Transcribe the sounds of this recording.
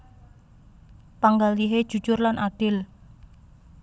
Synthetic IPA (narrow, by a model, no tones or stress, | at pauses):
paŋɡaliɦed̥ʒ̥ṳ̥d͡ʒ̥ʊrlanʔaɖ̥ɪl